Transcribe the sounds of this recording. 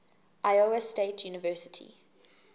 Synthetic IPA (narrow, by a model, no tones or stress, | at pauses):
ʔaɪoəsteɪtʰjuːnɪvɜˑsɪ̥tʰḭ